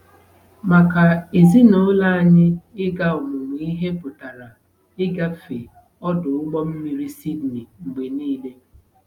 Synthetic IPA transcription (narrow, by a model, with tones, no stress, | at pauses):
ma˨ka˨e˨zi˦no˦la˦a˨ɲɪ˦ɪ˦ɡa˦ʊ˨mʊ˨m˨i˦ɦe˦pʊ˨ta˨ɾa˨ | ɪ˦ɡa˦fe˨ | ɔ˦dʊ˨ʊ˦ɡ͡bɔ˦m̩˦mi˨ɾi˦si˦dni˨ŋ͡m̩˨ɡ͡be˨niː˦le˦